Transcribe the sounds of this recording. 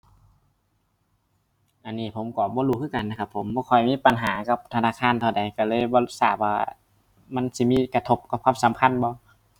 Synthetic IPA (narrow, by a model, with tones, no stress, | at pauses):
ʔa˨nːiː˧˩pʰo˨˦mkɔː˨˦bɔː˧˨luː˧kʰɯː˧˥˨ka˨nːa˧˩kʰa˧pʰːo˨˦mbɔː˧kʰɔ˧˩jmiː˧˥˨pa˨nɦaː˨˦ka˧p̚t̪ʰa˧naː˧˨kʰaː˧˥˨nt̪ʰa˧˩˨da˨˩jka˧˩lɤː˧˥˨jbɔː˧lu˧˩saː˧˩p̚waː˧w̰ | ma˧˥˨nsi˧˦˨miː˧˥˨ka˧t̪ʰo˧˩p̚kʰa˧˩p̚ʰaː˧˥˨m˨sa˨˦mkʰa˧˥˨nbɔː˧˦